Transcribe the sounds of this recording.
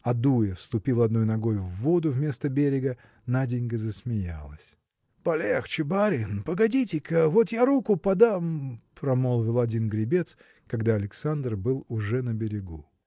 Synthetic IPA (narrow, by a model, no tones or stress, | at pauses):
ɐd̪ujɪfst̪ʊpʲilˠɐd̪no̞jnɐɡo̞jvːo̞d̪ʊvmʲe̞st̪əbʲeɾʲɪɡə | nadʲɪnʲɡəzəsmʲɪja̰lˠəsʲ | pɐlʲext͡ɕɪbaɾʲɪnpəɡɐdʲitʲɪkəvo̞t̪jaɾukʊpɐd̪ampɾɐmo̞lˠvʲɪlˠɐdʲinɡɾʲɪbʲe̞t̪s | kɐɡd̪aɐlʲɪksand̪rbɨlˠʊʐɛnəbʲɪɾʲɪɡu